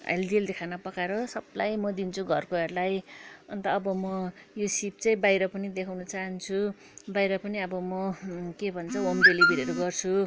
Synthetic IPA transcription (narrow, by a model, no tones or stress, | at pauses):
ḛld̪ield̪ekʰanʌpʌkaɾʌsʌb̚lajmʌd̪int͡sʰuɡʱʌrkoɦʌɾulajʌnt̪ʌːbʌmʌjosip̚t͡sʌĩbajɾʌpʌnid̪ekʰawnʌt͡saɦʌnt͡sʰu | bajɾʌpʌniʌbʌmʌkebʱʌnt͡sʰʌomd̪elibiɾeɾʌɡʌrt͡sʰu